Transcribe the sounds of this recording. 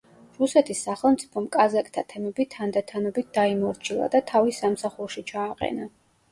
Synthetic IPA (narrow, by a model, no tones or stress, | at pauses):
ɾusɛt̪ʰisːaχɛlˠmt̪sʼi̥pʰɔmkʼazakʼt̪ʰat̪ʰɛmɛbit̪ʰand̪at̪ʰanɔbit̪̚d̪aimɔɾt͡ʃʰilˠa̰d̪at̪ʰavisamsaχuɾʃit͡ʃʰaːqʼɛ̰na